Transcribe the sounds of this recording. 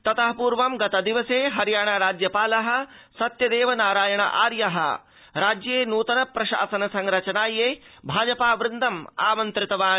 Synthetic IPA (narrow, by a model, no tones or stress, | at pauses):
t̪ɐt̪ɐɦɐpuːɾʋɐmɡɐt̪ɐd̪iʋɐseːɦɐɾjaːɳaɾaːd͡ʒjɐpaːlɐɦɐ̆ | sɐt̪jɐd̪eːʋɐnaːɾaːjɐɳɐ̰ʔa̰ːɾjɐɦɐ̰ | ɾaːd͡ʒjeːnuːt̪ɐnɐpɾɐʃa̰ːsɐnɐsɐŋɾɐt͡ʃɐnaːjeː | bʱaːd͡ʒɐpaːʋɾɪnd̪ʱɐma̰ːmɐnt̪ɾɪt̪ɐʋaː